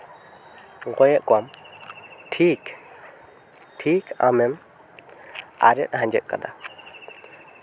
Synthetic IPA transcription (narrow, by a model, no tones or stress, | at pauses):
ɡɔjɛʔkwam | ʈʰik | ʈʰikamɛm | a̰ɾɛ̰t̪̚ˀhãɲd͡ʒɛt̪̚ka̰d̪a